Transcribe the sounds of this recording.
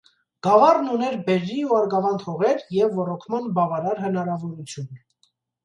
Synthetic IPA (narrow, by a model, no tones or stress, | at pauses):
ɡ̥ɑvɑrnunɛɾbɛɾːiuɑɾɡɑvɑnt̪ʰɔʁɛɾjɛvːɔɾɔkʰmɑnbɑvɑɾɑɾɦənɑɾɑvɔɾut͡sʰjun